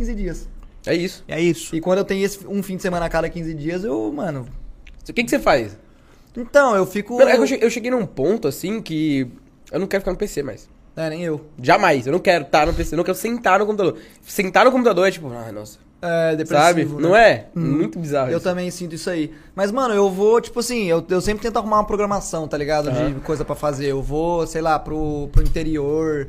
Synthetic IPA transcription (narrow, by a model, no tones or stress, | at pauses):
kĩzɪd͡ʒiɐs | ɛisʊ̥ɛisʊ̥ɪkwɐ̃nd̪ʊewt̪ẽj̃ʊesɪ̥ũfĩd͡ʒɪsemɐ̃nɐakad̪ɐkĩzɪd͡ʒiɐzewmɐ̃nʊkẽkɪsefajs | ĩt̪ɐ̃w̃ewfikʊɐ̃ɛkewʃeʔewʃeɡejnũpõnt̪ʊasĩkɪ | ewnɐ̃w̃kɛɾʊfikaɾnʊpesema̰js | ɛnẽj̃ewʒamajsewnɐ̃w̃kɛɾʊt̪anʊpeseñkɛɾʊsẽnt̪aɾnʊkõput̪ad̪oɾ | sẽnt̪aɾnʊkõmp̬ut̪ad̪oɾɛt͡ʃipʊa̰jnɔ̰sɐ̥ | ɛd̪epɾesasbɪivʊnɐ̃w̃ɛmũj̃t̪ʊbizahʊewt̪ɐ̃mẽj̃sĩnt̪ʊisʊai | mɐzmɐ̃nʊewvot͡ʃi̥pʊasĩewewsẽpɾɪt̪ẽt̪ahumaũmɐpɾoɡɾɐmasɐ̃w̃t̪aliɡad̪ʊd͡ʒɪkojzɐpɾɐfazeɾewvosejlapɾʊpɾʊĩnt̪eɾioɾ